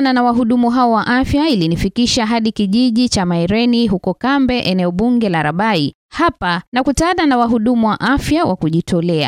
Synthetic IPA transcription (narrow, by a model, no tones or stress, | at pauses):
nanawaɦuɗumuɦaɔwaʔafjailinifikiʃaɦaɗikiʄiʄit͡ʃamaɛɾɛniɦukɔkambɛʔɛnɛɔɓuŋɡɛlaɾaɓai | hapanakutaaːðanawaɦuɗumuwaʔafjawakuʄitɔlɛa̰